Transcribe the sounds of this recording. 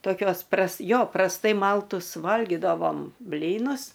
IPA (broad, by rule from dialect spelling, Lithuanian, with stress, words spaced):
toːˈkʲoːs prɐs ˈjoː prɐsˈtɐɪ ˈmɐlˠtʊs ˈʋɐlʲɡʲɪdɐʋoːm ˈbʲlʲiːnʊs